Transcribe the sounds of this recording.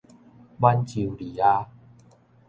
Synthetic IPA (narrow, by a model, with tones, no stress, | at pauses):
ba˧nt͡ɕi˨˩wli˨˦a˧